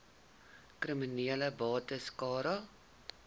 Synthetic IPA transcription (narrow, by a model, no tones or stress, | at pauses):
kriminiələbɑːtəskɑːɾɑ